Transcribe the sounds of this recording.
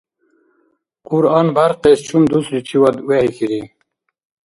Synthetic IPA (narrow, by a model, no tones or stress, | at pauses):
quɾɑnbaɾqest͡ɕʰumd̪usɾit͡ɕʰiwad̪wehixiɾi